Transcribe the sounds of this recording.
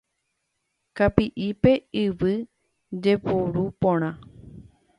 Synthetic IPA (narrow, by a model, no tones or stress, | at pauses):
kapiʔipe̞ɨʋɨ | d͡ʒe̞puɾupõɾ̃ã